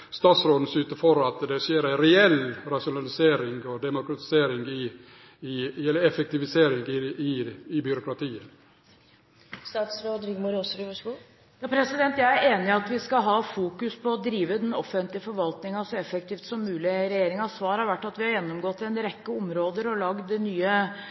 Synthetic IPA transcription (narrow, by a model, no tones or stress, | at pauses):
st̪ɑːt̪sɾoːd̪n̩sʉːt̪əfɔɾɑt̪d̪ɛʂeːɾæɪɾɛɛlɾɑʂʊnɑlɪseːɾɪŋɡɔd̪ɛmʊkɾɑt̪ɪ̥seːɾɪŋɡɪ | ɪɛlːəɾɛfɛk̚t̪ɪʋɪseːɾɪŋɪɪɪbʏɾʊkɾɑt̪ʰiːə | st̪ɑːt̪sɾoːd̪ɾɪɡmʊɾosʋiʋɑʂɡuː | jɑːpʰɾɛsɪd̪ɛnt̪jæɪæɾeːnɪɑt̪ʋɪskɑɦɑːfuːkʉspʰɔːd̪ɾiːʋəd̪ɛnɔfənt̪lɪəfɔɾʋɑlt̪nɪŋɑsɔɛfək̚t̪ʰiːft̪sɔmːʉːlɪɾɛjeːɾɪŋɑsʋɑːɾhɑɾʋæʈːɑt̪ʋɪhɑɾjɛnːɔmɡɔt̪ːɛnɾɛkːəɔmɾoːd̪əɾɔlɑɡd̪ɛnyːə